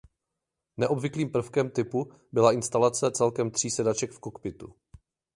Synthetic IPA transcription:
nɛʔobvɪkliːmpr̩fkɛmt̪ɪpu | bɪlaɪnst̪alat͡sɛt͡sɛlkɛmt̪r̥iːsɛdat͡ʃɛkfkokpɪt̪ṵ

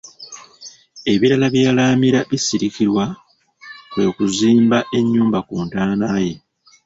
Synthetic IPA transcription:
e̞βiɾalaβjaːlaːmiɾaβisiɾikiɾwa | βwe̞kuziːmbaʔe̞ɲːuːmbakuːntaːnaːje̞

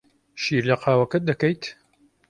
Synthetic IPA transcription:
ʃiːɾlɐqʰaːwɐkɐd̪ɐkɐjt̪

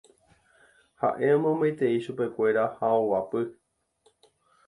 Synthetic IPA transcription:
ha̰ʔe̞ãmõmet̪e̞iʃupe̞kʷe̞ɾahaowapɨ

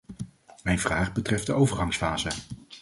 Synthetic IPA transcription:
mɛjnvraːχbətrɛfdəʔowvəɹɦɑŋsfaːzə

